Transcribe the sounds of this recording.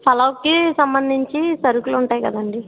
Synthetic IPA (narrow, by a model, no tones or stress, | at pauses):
pɐlɐwkisɐmbɐnd̪ʱiɲt͡ʃisɐɾukuluɳʈaːjkɐd̪ɐɳɖi